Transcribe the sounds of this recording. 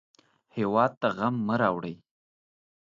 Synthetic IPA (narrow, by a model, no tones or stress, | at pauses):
hewɑd̪̚t̪aɣamːəɾɑwɽəj